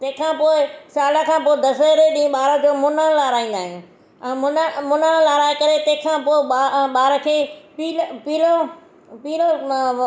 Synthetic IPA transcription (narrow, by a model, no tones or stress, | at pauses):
t̪ɐ̃ɦɪ̃kʰãːpoːɪsaːləkʰãːpoːɪd̪ɐsəɾeɗĩːɓaːɾəd͡ʑoːmʊnənlaːɾaːĩːn̆d̪aːɦɪ̃j̃ũ | ɛ̃ːmʊnmʊnənlaːɾaːɪkɐɾet̪ɐ̃ɦkʰãːpoːɪɓaɓaːɾəkʰeːpiːlpiːlo | piːlo